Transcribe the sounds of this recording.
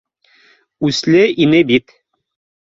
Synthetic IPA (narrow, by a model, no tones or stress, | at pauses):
ʉslɘʔinɘbit̪